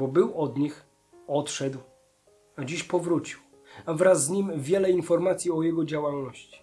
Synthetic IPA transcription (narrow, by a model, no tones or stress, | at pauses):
bɔbɘwɔd̪ɲix | ɔt̪ʂɛd̪w | ad͡ʑiɕpɔvɾut͡ɕiw | avɾazːɲimvʲjɛlɛinfɔɾmat̪sʲjiɔjɛɡɔd͡ʑawalnɔɕt͡ɕi̥